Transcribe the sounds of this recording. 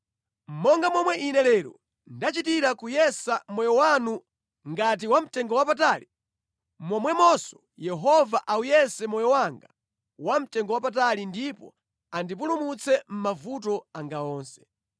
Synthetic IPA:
m̩mɔŋɡamwɔmwɛʔinɛlɛːɾɔ̰ | ndat͡ʃitiɾakujɛsamwɛjɔwanu | ŋɡat̬iwam̩tɛŋɡɔwapataːli | mwɔmwɛmɔsɔ̥ | jɛɦɔvaʔawujɛsɛmɔjɔwaŋɡa | wam̩tɛŋɡɔwap̬at̬alindipɔ̰ | andip̬ulumut͡sʰɛm̩mavut̬ɔaŋɡaɔːnsɛ̥

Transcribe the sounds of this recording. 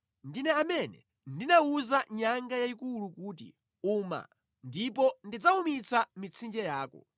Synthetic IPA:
ndinɛamɛnɛ̰ | ndinauzaɲaŋɡajaikulukuːtḭ | uːma̰ | ndipɔndid͡zaumit͡samit͡sʰind͡ʒɛjaːkɔ̰

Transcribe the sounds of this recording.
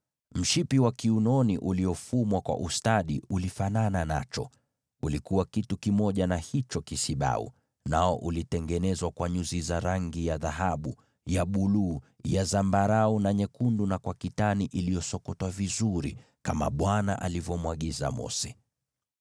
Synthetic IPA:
m̩ʃipiwakiunɔniʔuliɔfumwakwa̰ʔustaɗiulifananana̰t͡ʃɔ | ulikuwakitukimɔʄanahit͡ʃɔkisiɓa̰ṵ | naɔʔulitɛŋɡɛnɛzwakwaɲuzizaɾaŋɡijaðaɦaɓu | jaɓuluːjazambaɾaunaɲɛkundunakwakitaniʔilijɔsɔkɔtwavizuɾḭ | kama̰ɓwanaʔa̰livɔmwaɠiza̰mɔ̰sɛ

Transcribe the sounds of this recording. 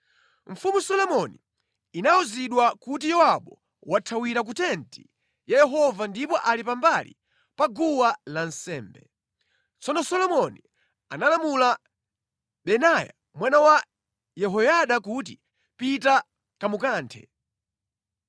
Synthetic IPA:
ɱ̩fumusɔlɔmɔniː | nauziɗwakut̬ijɔwaɓɔ | watʰawiɾak̬utɛntʰi | jɛjɛɦɔvandipɔʔalipambalḭ | paɡuwalansɛːmbɛ̰ | t͡sɔnɔsɔlɔmɔni | analamula | ɓɛnaja̰ | mwanawa | jɛɦɔjaɗakut̬i | pita | kamukaːntʰɛ̰

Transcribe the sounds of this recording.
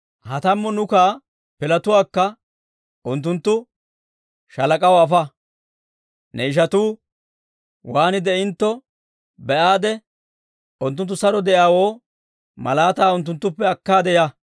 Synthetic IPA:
hɐt̪ɐmːɔnʊkaː | pɪlɐt̪ʊwaːkːɐ | ʊnt̪̬ːʊnt̪ːʊ | ʃɐlɐkʼɐwːfɐ | nʔɛɪʃ̬ɐt̪uː | waːnɪd̪ɛɪnt̪ːɔ | bɛʔaːd̪ɛ | ʊnt̪ːʊnt̪ːʊsɐɾɔd̪ɛʔjaːwoː | mɐlaːt̪aːʊnt̪̬ːʊnt̪ːʊpːɛɐkːaːd̪ɛja

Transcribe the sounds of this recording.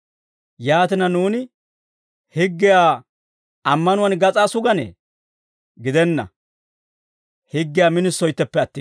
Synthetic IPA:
jaːt̪ɪnɐnuːnɪ | hɪɡːɪjaː | ɐmːɐnʊwɐnɡɐt͡sʼaːsʊɡɐnɛ̰ː | ɡɪd̪ɛnːɐ̰ | hɪɡːɪjaːmɪnɪsːɔjt̪ːɛpːɛɐt̪ːɪ

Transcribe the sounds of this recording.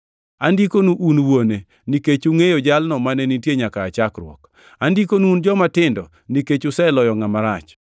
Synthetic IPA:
andikonuʔunwone | niket͡ʃuŋejod͡ʒalnɔmanɛnitjeɲakaːt͡ʃakɾwɔ̰k | andikonuund͡ʒɔmatɪndɔ | niket͡ʃʊsɛlɔjɔŋamaɾat͡ʃ

